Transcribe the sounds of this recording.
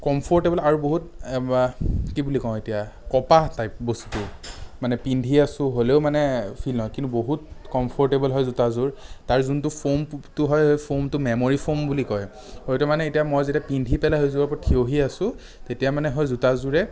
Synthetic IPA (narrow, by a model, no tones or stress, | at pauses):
kɔmpʰɔɹtebɔlaɹuboɦutakibulikɔʊ̃etijakɔpatajp̚bostʊmanɛpindʱiasʊ̃ɦoleʊmanɛpʰilnɦɔjkintuboɦut̚kɔmpʰɔɹtebɔlɦɔjzutazuɹtaɹzuntʊpʰomtʊɦɔjpʰomtʊmɛmoɹipʰombulikɔj | hojtumanɛetijamɔjzetiapindʱipɛlaɦojzubapɔtʰioɦiasʊ̃ | tetijamanɛɦɔjzutazuɹɛ